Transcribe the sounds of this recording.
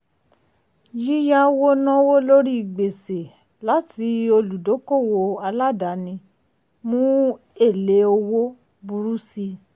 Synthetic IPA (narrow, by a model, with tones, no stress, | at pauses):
d͡ʒi˦ja˦wo˦nã˦wo˦lo˦ɾi˦i˨ɡ͡be˨se˨ | la˦ti˨˦o˧lu˨do˨˦ko˦˨wo˧a˧la˦˨da˨˦nĩ˧ | mũ˦ | e˦˨le˨˦o˧wo˦ | bu˧ɾu˦si˧